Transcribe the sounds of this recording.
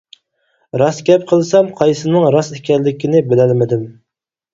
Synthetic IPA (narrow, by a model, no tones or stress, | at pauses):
ɾɑsɡʲɛp̚qʰəlˠsɑmqʰɑjsɨnɨŋɾɑsekʲɛlːɪkʲʰinɪbɪlɛlmɪd̪ɪm